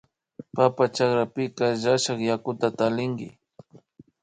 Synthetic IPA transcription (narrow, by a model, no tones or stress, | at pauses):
papat͡ʃakɾapɪkaʒaʃaχjakʊt̪at̪alɪŋkɪ̰